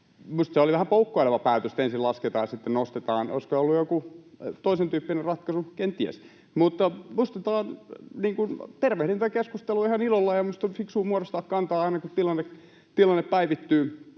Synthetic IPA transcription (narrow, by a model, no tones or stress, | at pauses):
must̪seoliʋæhæmpoukːoileʋɑpæːt̪øst̪ensilɑsket̪ɑ̰ːjɑsit̪ːennost̪et̪ɑːno̰iskoolːujokut̪oisent̪yːpːinerrɑt̪kɑsukent̪iæ̰s | mut̪ːɑmust̪et̪ɑːnniːŋkunt̪erʋehɾent̪ːkeskust̪eluihɑnilolːɑjɑmust̪ofiksuːmuorost̪ɑːkkɑnt̪ɑːɑinɑkut̪t̪ilɑnːek | t̪ilɑnːeppæiʋit̪ːyː